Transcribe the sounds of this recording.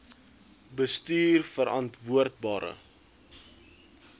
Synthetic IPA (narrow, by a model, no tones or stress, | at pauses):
bəstyːrfəɾɐntvuərt̚bɑːɾə̰